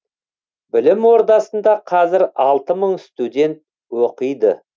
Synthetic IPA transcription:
bɪlɪmwo̞ɾd̪ɑsənd̪ɑqʰɑzɪɾɑlˠt̪əməɴst̪ud̪ʲe̞nt̪ | woqəjd̪ə

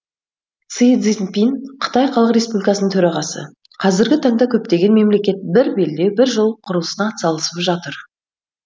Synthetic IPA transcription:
t̪sid̪zinpinqʰə̥t̪ɑjqʰɑlˠəqɾʲe̞spublikɑsənəŋt̪ʰɵɾɑʁɑsə̰ | qʰɑzɪɾɡʲɪt̪ʰɑɴd̪ɑkʲʰɵp̚t̪e̞ɡʲe̞nme̞mle̞kʲe̞t̪̚bɪɾbeld̪e̞wbɪɾʒəlˠqʰʊɾəlˠəsənɑːt̪sɑlˠəsəpʒɑt̪əɾ

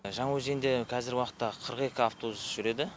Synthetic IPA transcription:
ʒɑɴɑwɵzend̪e̞qʰɑzɪɾwɑqə̥t̪ːɑqʰəɾəqe̞kʲɪaft̪ʰosʒ̥ʏɾe̞d̪ɪ

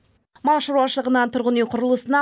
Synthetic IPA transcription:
mɑlˠʃəɾuɑʃəlˠəʁənɑnt̪ʰʊɾʁənejqʰʊɾəlˠəsənɑ

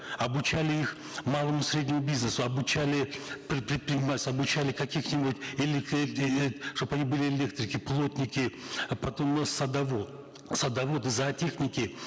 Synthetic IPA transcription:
ɐbʊt͡ɕælʲɪix | malˠəmʊsʲɾʲedʲnʲɪmʊbʲiznəsʊɐbʊt͡ɕælʲɪpɾʲɪpɾʲɪt̪̚pɾʲɪnʲɪmalʲɪsʲɐbʊt͡ɕælʲɪkɐkʲixnʲibʊtʲelʲk | ʂt̪opɐnʲibɨlʲɪelʲe̞k̚t̪ɾʲɪkʲɪplˠo̞t̪ʲnʲɪkʲɪpɐt̪o̞msɐd̪ɐvo | sɐd̪ɐvo̞t̪ɨzɐtʲexnʲɪkʲɪ

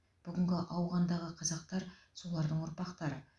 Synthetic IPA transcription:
b̥ʏɡʲɪŋɡʲɪʔɑwʁɑnd̪ɑʁəqʰɑzɑq̚t̪ɑɾ | so̞lˠɑɾd̪əɴʊɾpɑqt̪ɑɾə

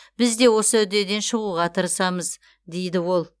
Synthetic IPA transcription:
b̥ɪzd̪e̞wo̞səʉd̪e̞d̪e̞nʃəʁuʁɑt̪ʰəɾəsɑməz | d̪e̞jd̪ɪwo̞lˠ

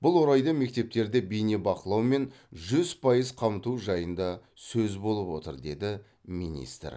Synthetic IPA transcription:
b̥ʊlˠwo̞ɾɑjd̪əme̞k̚t̪e̞p̚t̪e̞ɾd̪e̞bijne̞bɑqəlˠɑwme̞n | ʒʏz̥pʰɑjəzqʰɑmət̪uʒɑjənd̪ɑ | sɵzbo̞lˠəpwo̞t̪ə̰ɾd̪e̞d̪ɪ | mḭnʲḭst̪r

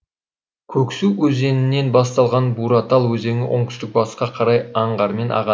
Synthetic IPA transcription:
kʲʰɵksuwwɵze̞nɪnːe̞nbɑst̪ɑlˠʁɑnbuɾɑt̪ɑlˠwɵze̞ŋɪ̰ʔoɴt̪ʏ̥st̪ɪk̚bɑssqɑqʰɑɾɑjɑɴʁɑɾme̞nʔɑ̰ʁɑ

